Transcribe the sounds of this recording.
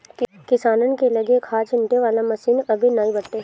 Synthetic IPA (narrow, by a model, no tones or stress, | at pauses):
kɪsaːnənkelɐɡekʰaːt͡ʃɪ̃nʈeʋaːlamɐsiːnɐbʱinaːĩbɐɽʈ̪e